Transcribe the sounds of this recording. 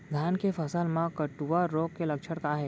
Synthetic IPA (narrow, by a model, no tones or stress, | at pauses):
d̪ʱankefəsalmãkəʈuʋaɾoɡkːeləkʃʰəɽkaɦe